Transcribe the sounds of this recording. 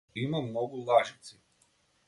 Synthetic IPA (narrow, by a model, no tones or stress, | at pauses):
imamnoɡulˠaʒit̪si